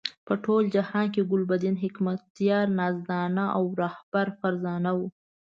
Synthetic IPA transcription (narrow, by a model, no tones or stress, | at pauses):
pəʈʰold͡ʒahɑnkeɡʊlbad̪ɪnɦɪkmat̪ːjɑɾnɑzd̪ɑnaʔawɾɑhb̥aɾfaɾzɑnawu